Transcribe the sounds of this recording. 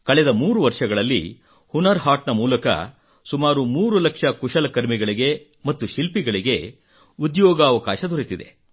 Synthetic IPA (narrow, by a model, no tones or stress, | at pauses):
kɐɭɛd̪ɐmuːɾuʋɐɾʂɐɡɐɭɐlːḭ | hunɐɾɦaːʈnɐmuːlɐkɐ̰ | sumaːɾumuːɾulɐkʂɐkuʃɐlɐkɐɾmiɡɐɭiɡe̞ | mɐt̪ːuʃilpiɡɐɭiɡe̞ | ud̪jɔːɡɐːʋɐkaːʃɐd̪uɾit̪id̪e̞̰